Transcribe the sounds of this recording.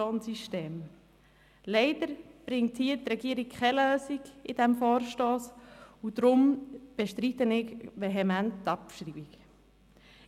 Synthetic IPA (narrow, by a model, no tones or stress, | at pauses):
oːnsyʃteːm | leɪd̥əɾb̥ɾɪŋthiːətɾɛɡiəɾikʰχɛløːsiɡid̥ɛmfoːɾʃtoːsudɾʊmb̥eʃtɾitənɪkʋeɦɛmænttɑpʃɾibiɡ